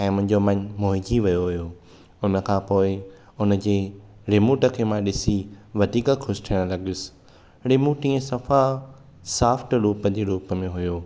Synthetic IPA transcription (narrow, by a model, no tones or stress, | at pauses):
ɛ̃ːmʊ̃ɪ̃ɲ̆d͡ʑomɐ̃ɲmoːɦɪ̃d͡ʑʱiʋijoɦʊjoː | ʊnə̆kʰãːpoːɪ | ʊnəd͡ʑeːɾeːmuːʈə̆kʰeːmãɗɪsiʋɐd̪ʱiːkəkʰʊsʈʰiːɽ̃lɐɠʊs | ɾeːmuʈĩːẽsɐfa | saːfʰʈɾuːpəd͡ʑeːɾuːpəmẽɦʊjoː